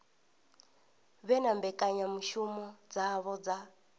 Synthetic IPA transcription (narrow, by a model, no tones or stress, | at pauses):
βɛnambɛkʼaɲamuʃumɔd͡zaβɔd͡za